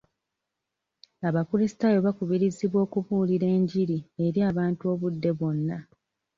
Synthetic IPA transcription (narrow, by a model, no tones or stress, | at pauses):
aβafuɾisi̥tajo̞βakuβiɾiziβwo̞ːkuβuːliɾe̞ːɲɟiɾie̞ɾiaːβaːntuo̞βudːe̞βo̞nːa